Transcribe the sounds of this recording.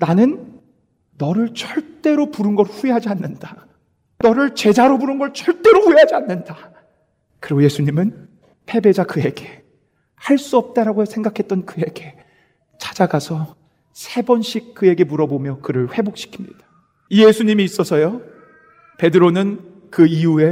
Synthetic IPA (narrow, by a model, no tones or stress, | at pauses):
nanɯnː | ʌɾɯɭt͡ɕʌɭt͈e̞ɾopuɾɯnɡʌɾɸueɦad͡ʑianːɯnda | nʌɾɯɭt͡ɕe̞d͡ʑaɾobuɾɯnɡʌɭt͡ɕʌɭt͈e̞ɾoɸujeɦad͡ʑianːɯnda | kɯɾiɡoje̞sʰuɲimɯn | pʰe̞be̞d͡ʑakɯje̞ɡe̞ | haɭs͈uʌp̚t͈aɾaɡosʰe̞ŋɡakʰet͈̚ʌnkɯje̞ɡe̞ | t͡ɕḁd͡ʑaɡasʰʌ | sʰe̞bʌnɕʰik̚k͈ːɯe̞ɡe̞muɾʌbomjʌkɯɾɯɭɸwe̞bok̚ɕ͈ʰi̥kʰi̥mɲḭd̥ḁ | ije̞sʰuɲimiːs͈ʌsʰʌjo | pe̞dɯɾonɯn | kɯiue̞